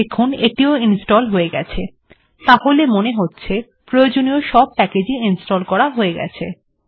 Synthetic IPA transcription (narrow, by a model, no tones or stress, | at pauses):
ekʰoneʈioinsʈɔlɦoeɡɛt͡ɕʰe | t̪aholemoneɦotːɕʰe | pɾojod͡ʑonioʃɔb̚pɛked͡ʑiinsʈɔlkɔɾaɦoeɡɛ̰t͡ɕʰe